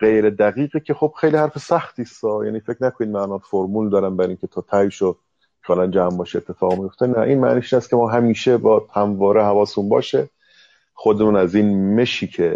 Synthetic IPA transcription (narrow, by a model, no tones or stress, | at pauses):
ɢ̥ejɾed̪æɣiːɣicʲʰexob̥xejlihæɾfesæxt̪iːst̪ɒːjæ̰ːniːfecnækʰoniːd̪̚mæʔnɒːnfoɾmuːld̪ɒːɾænbæɾiːŋcʰe̞t̪ʰɒːt̪ʰæjʃo | kʰeɒlænd͡ʒæmbɒːʃeet̪ʰːe̞fɒːɣmijo̞ft̪enæʔiːnmæ̰ʔniːʃiːnæst̪̚cʰemɒːɦæmiːʃebɒːd̪hæmvɒːɾʔeɦævɒːsmunbɒ̰ːʃe | χod̪emuːnæziːnme̞ʃiːcʰe